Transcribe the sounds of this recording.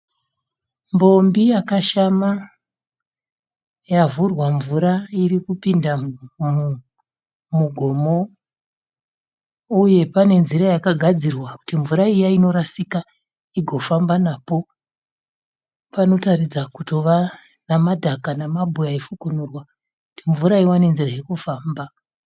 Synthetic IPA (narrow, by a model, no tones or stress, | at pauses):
mbo̞mbijakaʃama | javurwaɱvuɾaiɾikupinda | muɡʱo̞mo̞ | uje̞pane̞nziɾajakaɡʱad͡zirwaku̥timvuɾaijaino̞ɾasika | iɡʱo̞fambanaːpo̞ | pano̞tarid͡zakuto̞ʋa | namadʱakanamabʱujaifukunurwa | kku̥tiɱvuɾaiwane̞nzirajikofaːmba